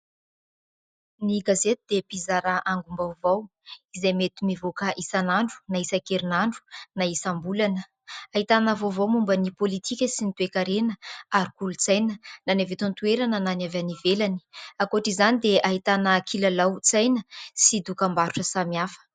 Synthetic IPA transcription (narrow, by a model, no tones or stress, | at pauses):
niɡazet̪ud̪epizaɾaʔaŋɡumbawvaw | izejmet̪umivokaʔisanaɳɖ͡ʐu̥naisakeɾinaɳɖ͡ʐu̥naisambulanə | aɦit̪anəvowvowmumbənipolit̪ʰikʲəsinit̪uekaɾenəaɾikulut͡sajnənanavet̪ant̪ueɾanənanavanivelani̥akoaʈ͡ʂizanid̪eaɦit̪anəkʰilalawt͡sajnəsid̪ukambaɾuʈ͡ʂəsamiafə̥